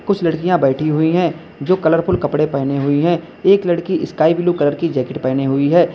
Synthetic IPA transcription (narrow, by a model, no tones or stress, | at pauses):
kʊt͡ʃʰlɐɽkijãbɛːʈʰiɦʊiɦɛ̃ː | d͡ʒoːkɐləɾpʰʊlkɐpɽepɛːneɦʊiɦɛ̃ː | eːklɐɽkiʔɪskaːibɪlukɐləɾkid͡ʒɛːkɪʈpɛːneɦʊiɦɛː